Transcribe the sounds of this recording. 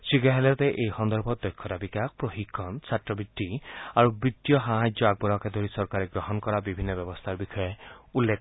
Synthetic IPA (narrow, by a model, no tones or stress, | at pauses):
siɡaɦelet̪eʔeihɔnd̪ɔɾbʱɔd̪ɔjkʰːɔɾabikak̚pɾɔɦikʰːɔnsʰatɾɔbiʈːiaɾubit̪ːjɔɦaɦajd͡ʒjɔaɡ̚bɔɾɔkad̪ʱɔɾisɔɾkaɾeɡɾɔɦɔnɔkɔɾabibʱinːɔbjɔbɔst̪ʰaɾbixʰɔjɔulːek